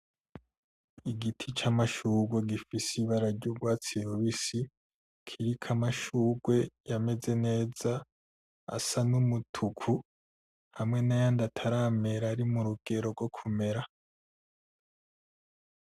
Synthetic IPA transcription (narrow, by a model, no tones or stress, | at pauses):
iɡitʰit͡ʃamaʃuːɡwe̞ɡifisiβaɾaɟoɡwaːt͡siɾoβisi | kʰiɾikʰamaʃuːɡwe̞jame̞ze̞ne̞ːz̥a | a̰sanumutʰukʰu | hamŋe̞najandatʰaɾame̞ɾaɾimuɾuɡ̥e̞ɾo̞ɾɡwo̞kʰume̞ɾa